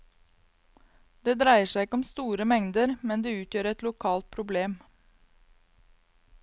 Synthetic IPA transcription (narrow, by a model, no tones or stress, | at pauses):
d̪eːd̪ɾæɪəʂæɪɪkəɔmst̪uːɾəmɛŋd̪əɾmɛnd̪eːʉːt̪jøːɾɛt̪lʊkʰɑːlt̪̚pʰɾʊbleːm